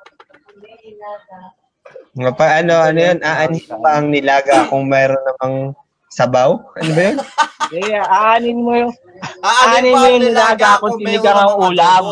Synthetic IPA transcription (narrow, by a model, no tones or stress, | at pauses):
ŋopɐɡʔɐno̞ʔɐnojonʔaʔanɪnkɐbɐɐŋnɪlaːɡɐkoŋmɛːɾonːɐmɐŋ | sɐbawɐnobɐjonɛjaʔaʔaːnɪnmojo | aaːnɪnmojoŋɪlaːɡaʔɐkoɪlɪɡɐŋɐŋuːlam